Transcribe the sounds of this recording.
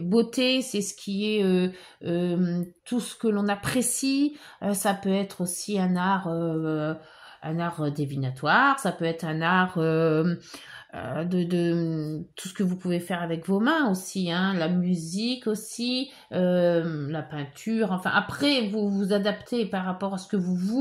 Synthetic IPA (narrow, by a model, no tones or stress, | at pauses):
bot̪esɛsə̥kʲiɛø | øt̪ʰusə̥kəlɔ̃napχesi | øsapøɛt̪χosiɛ̃naʁø | ɛ̃naʁød̪evinat̪waʁsapøɛt̪χɛ̃naʁø | ø̰d̪əd̪ət̪u̥sə̥kəvupuvefɛʁavɛkvomɛ̃osiɛ̃lamyzikosi | ølapɛ̃t̪ʰyʁɑ̃fɛ̰̃ʔapχɛvuvuzad̪apt̪ʰepaʁːapɔʁasə̥kəvuvu